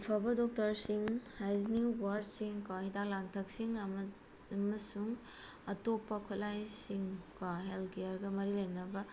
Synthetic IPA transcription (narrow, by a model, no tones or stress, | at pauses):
pʰɐbɐdok̚tɐɾsiŋhajzniwaɾsiŋkahidalaŋtʰɐk̚siŋ | mɐsuŋ | ɐtopːɐkʰulajsiŋkaɦelkejɐɾɡɐmɐɾilɐjnɐbɐ